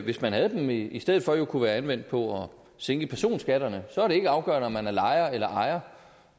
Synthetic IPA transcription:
ʋe̝smænɦæð̞̩ˠd̥emisd̥eð̞̰̩ˠfɒ̽jo̝kʰuʋæːɐænʋen̰d̥̚pʰɒ̽ɒ | seŋɡ̥əpʰæɐso̝̰ːnsɡ̥æɾ̥ɐnəsɒæɐɾe̝e̝ɡ̥əɑ̈ʊɡ̥ɶ̰ɐnɒmːænæɐlɑ̈ɪɐelɐʔɑ̈ɪɐ

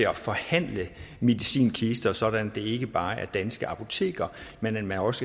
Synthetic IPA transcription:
eɒfɒ̽hæn̰ləme̝ðˠisḭːnkʰisd̥ɐsɒ̽d̥ænd̥e̝e̝ɡ̥əb̥ɑ̈ːʔæɐd̥ænsɡ̥əɑ̈pʰo̝t͡sʰe̝̰ːɡ̥ɐmenmænɒ̽sə̥

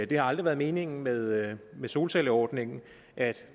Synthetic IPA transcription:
d̥e̝hɑ̈ɑ̈ld̥ʁiʋæːɐð̞ˠme̝ːne̝ŋn̩með̞ˠmeso̝ːlseləɒːd̥ne̝ŋ̩ | ʔæd̥

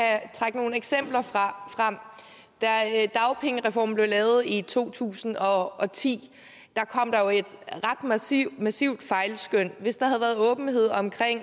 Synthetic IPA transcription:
æt͡sʰʁäɡ̥əno̝ːn̩eɡ̥sem̰b̥lɐʁɑfʁɑ̈m̰ | d̥æd̥ɑ̈ʊpʰeŋəʁɛfɒ̰ːm̩b̥le̝ʊlɛːʊð̞̩ˠit͡sʰo̝̰ːt͡sʰṵːsn̩ɒ̽ɒ̽t͡sʰḭː | d̥ɑ̈kʰɒ̽m̰d̥ɑ̈jo̝ed̥ʁɑ̈d̥mmæsiʊ̰d̥fɑ̈ɪlsɡ̥øn̰ʋe̝sd̥ɑ̈hæðˠʋæːɐð̩ˠɔ̽ːb̥n̩he̝ð̞̰ˠɒ̽mkʰʁeŋ̰

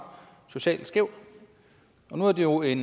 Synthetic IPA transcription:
so̝ɕɛ̰ːlsɡ̥eʊ̰ | ɒ̽nuæɐd̥e̝jo̝e̝n

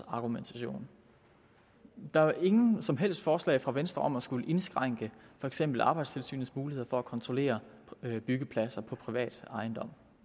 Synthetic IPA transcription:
ɑ̈ɡ̥ument͡sʰæɕo̝̰ːn | d̥ɑ̈æɑʔe̝ŋn̩sɒ̽mɦel̰sd̥fɒːslɛ̰ːɪfʁɑ̈ʋensd̥ʁɐɒ̽mæsɡ̥uləʔe̝nsɡ̥ʁɑ̈ŋ̰ɡ̥əfɒ̽eɡ̥sem̰b̥l̩ɑ̈ːb̥ɑ̈ɪd̥st͡sʰe̝lsy̰ːn̩smuːlihe̝ðˠɐfɒ̽ækʰɒ̽nt͡sʰʁo̝le̝̰ːɐb̥yɡ̥əpʰlæsɐpʰɒ̽pʰʁiʋɛ̰ːd̥ɑ̈ɪnd̥ɒ̽m̰

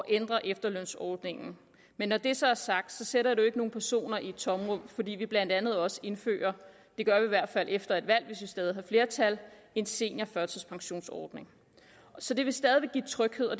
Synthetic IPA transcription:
ɒʔend̥ʁɐʔefd̥ɐløn̰sɒːd̥ne̝ŋn̩ | menːɒd̥e̝sɒ̽æɐsɑ̈ɡ̥̚d̥sɒ̽seɾɐjidue̝ɡ̥əno̝ːn̩pʰæɐso̝̰ːnɐʔit͡sʰɒ̽mʁɔmfɒ̽d̥ḭːʋib̥læn̰d̥ænð̞̩ˠɒ̽səe̝nfø̰ːɐ | d̥e̝ɡ̥ɶɐʋiʋæɐ̰d̥fælʔefd̥ɐe̝d̥ʋæl̰ʋe̝sʋisd̥ɛːðˠiɦɑ̈fle̝ːɐt͡sʰæl | e̝nse̝̰ːnɐfɶɐt͡sʰɛspʰɑ̈ŋɕo̝̰ːnsɒ̰ːd̥ne̝ŋ | sɒ̽d̥e̝ʋe̝sd̥ɛːðˠiʋe̝ɡ̥ḭːt͡sʰʁœɡ̥he̝ð̞̰ˠɒ

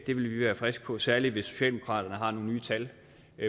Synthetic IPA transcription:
d̥e̝ʋe̝lʋiʋæːɐfʁɛsɡ̥̚pʰɒ̽sæɐli̥ʋe̝sːo̝̥ɕɛ̰ːld̥emo̝kʰɑ̰̈ːd̥ɐnəɦɑ̈no̝ːn̩nyːt͡sʰæl

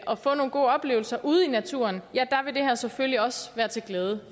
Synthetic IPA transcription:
ʔɒ̽fɔ̽ːno̝ːn̩ɡ̥o̝̰ːɒ̽b̥le̝ːʊl̩sɐʔuð̞̩ˠinæt͡sʰṵɐnjæd̥ɑ̈ʋe̝d̥e̝hæɐsefølliɒ̽sʋæːɐt͡sʰe̝lɡ̥leːð̞ˠə

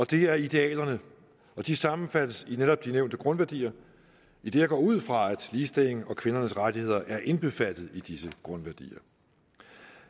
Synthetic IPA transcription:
ɒ̽d̥e̝æɐid̥e̝ɛ̰ːlɐnə | ɒ̽d̥isɑ̈mn̩fæd̥əsineɾ̥ɒ̽b̥̚d̥ineʊ̰nd̥əɡ̥ʁɔ̽nʋæɐd̥ḭːɐ | id̥e̝ːɐɡ̥ɒ̰ːuð̞̰ˠfʁɑ̈æd̥liːsd̥eleŋ̩ɒ̽kʰʋe̝nɐnəsʁaɾʰihe̝ð̞̰ˠɐʔæɐʔe̝nb̥e̝fæd̥ð̞̩ˠid̥isəɡ̥ʁɔ̽nʋæɐd̥ḭːɐ

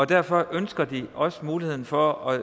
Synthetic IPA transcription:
ɒ̽d̥æɐ̰fɒ̽ʔønsɡ̥ɐd̥iɒ̽səmuːlihe̝̰n̩fɒ̽æ

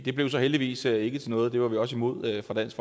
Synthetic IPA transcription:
d̥e̝b̥le̝ʊsɒ̽ɦeld̥iʋḭːsøe̝ɡ̥ət͡sʰe̝lnɔ̽ːð̞̩ˠd̥e̝ʋɑ̈ʋiɒ̽simo̝ð̞̰ˠøfʁɑ̈d̥æn̰sɡ̥f

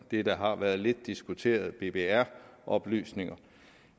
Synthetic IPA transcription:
d̥e̝d̥æɦɑ̈ʋæːɐðˠle̝d̥ːisɡ̥ut͡sʰe̝̰ːɐð̞̩ˠb̥e̝b̥e̝æɐ̰ʔɒ̽b̥ly̰ːsne̝ŋɐ

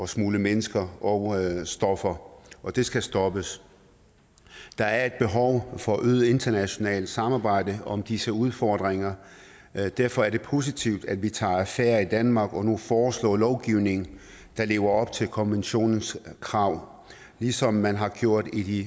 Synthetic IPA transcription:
ɒ̽smuːləmenəsɡ̥ɐɒsd̥ɒ̽fɐʔɒ̽d̥e̝sɡ̥æsd̥ɒ̽b̥əs | d̥ɑ̈æɐe̝d̥̚b̥e̝ɦɒʊfɒ̽ʔøːðˠe̝nd̥ɐnæɕo̝nɛ̰ːld̥sɑ̈mɑ̈ːb̥ɑ̈ɪ̰d̥əʔɒ̽md̥isəuð̞ˠfɒd̥ʁeŋɐ | d̥æɐfɒ̽æɐɾ̥e̝pʰo̝ːs̬it͡sʰiʊ̰d̥æd̥ʋit͡sʰɑ̰̈ːæfæːɐid̥ænmɑ̈ːɡ̥ɒ̽nufɒːslɔ̰ːlɒʊɡ̥iʊne̝ŋn̩ | d̥ɑ̈le̝̰ːʊɐɒ̽b̥t͡sʰe̝lkʰɒ̽nʋenɕo̝̰ːnn̩skʰʁɑ̈ʊ̰ | lisɒ̽mːænɦɑ̈ɡ̥jo̝ɐ̰d̥id̥i

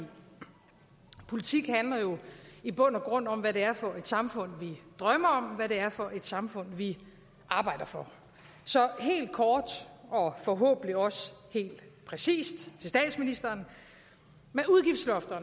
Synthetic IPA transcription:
pʰo̝lit͡sʰiɡ̥hænlɐjo̝ib̥ɔ̽n̰ɒɡ̥ʁɔ̽n̰ɒ̽m̰ʋæɾe̝æɐfɒ̽e̝d̥sɑ̈mfɔ̽n̰ʋid̥ʁɶmɐɒ̽mʋæɾe̝æɐfɒ̽ʔe̝d̥sɑ̈mfɔ̽n̰ʋi | ʔɑ̈ːb̥ɑ̈ɪ̰d̥ɐfɒ̽ | sɒ̽ɦe̝̰ːld̥̚kʰɒːd̥ɒ̽fɒɦɔ̰̽ːb̥n̩iɒ̽she̝̰ːld̥pʰʁɛsḭːsd̥t͡sʰe̝lsd̥ɛ̰ːd̥sminisd̥ɐːn | meuðˠɡ̥ifd̥slɒfd̥ɐn

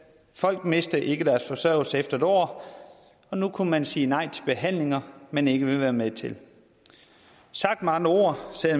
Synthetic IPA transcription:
fɒ̽l̰ɡ̥me̝sd̥ɐʔe̝ɡ̥əd̥æɐsfɒsɶɐ̰l̩səefd̥ɐd̥ɒ̰ː | ɒ̽nukʰumænsiːnɑ̈ɪ̰t͡sʰe̝lb̥e̝ɦæn̰le̝ŋɐmene̝ɡ̥əʋe̝ʋæːɐmet͡sʰe̝l | sɑ̈ɡ̥̚d̥mɑ̈ŋəo̝̰ːɐ̰se

